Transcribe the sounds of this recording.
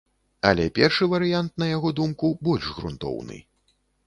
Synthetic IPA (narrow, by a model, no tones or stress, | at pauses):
ɐ̰lʲɛpʲɛrʂɨvɐɾɨjant̪̚nɐjaɣɔd̪umkubɔlʲʐɣɾṵnt̪ɔ̰wnɨ̰